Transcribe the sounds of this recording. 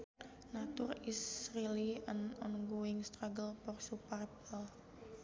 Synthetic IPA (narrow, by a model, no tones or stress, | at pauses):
nat̪ʊrisrilianɔnɡoɪŋst̪ɾaɡəlpɔrsuparpɔl